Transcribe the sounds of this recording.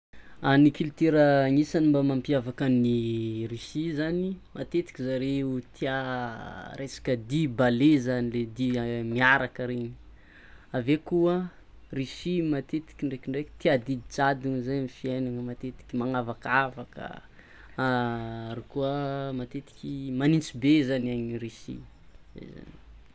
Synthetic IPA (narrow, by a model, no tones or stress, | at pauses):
anikilt̪eɾəŋisanimbamampiavakanirisizanimat̪et̪i̥kʲizaɾeut̪ʰia | ɾesḁkəd̪ibalezaniled̪imiaɾakəɾeɲi̥ | avekuə | risimat̪et̪i̥kʲiɳɖ͡ʐekiɳɖ͡ʐekə̥t̪iad̪it͡sad̪iŋzajmifienaŋəmat̪et̪i̥kʲimaŋavakavakə̰ | aaɾikuəmat̪et̪i̥kʲimanint͡sibezanaɲirisḭ | zḛjza̰ni̥